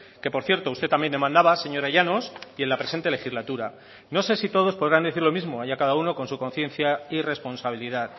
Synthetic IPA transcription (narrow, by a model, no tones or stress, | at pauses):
ke̞po̞ɾθje̞ɾt̪o̞ust̪e̞t̪ːambje̞nd̪emãnd̪aβase̞ɲo̞ɾaʝanosie̞nlapɾe̞se̞nt̪e̞le̞xizlat̪uɾa | no̞se̞sit̪o̞ð̞o̞spoðɾand̪e̞θiɾlo̞mizmo̞aʝakaðauno̞ko̞nsuko̞n̟θje̞nθjaire̞spo̞nsaβ̞iliðað